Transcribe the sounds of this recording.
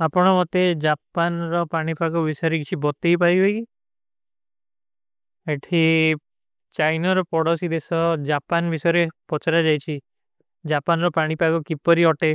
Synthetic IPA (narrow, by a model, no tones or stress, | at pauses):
apɔɽ̃ɔmɔt̪ed͡ʒapanɾɔpaɽ̃ipaɡubisɔjɔɾekit͡ʃʰibɔt̪ejpajɡɔjki | eʈʰi | t͡ʃajnɔɾɔpɔɽɔsid̪esɔd͡ʒapanbʱisɔjɔɾepɔt͡ʃaɾad͡ʒajt͡ʃʰi | d͡ʒapanɾɔpaɽ̃ipakɔkipɔɾiɔʈe